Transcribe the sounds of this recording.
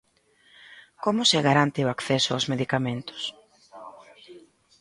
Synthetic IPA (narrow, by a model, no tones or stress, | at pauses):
komʊseɣaɾant̪ɪoakθɛsoawzmeðikamẽnt̪ʊ̥s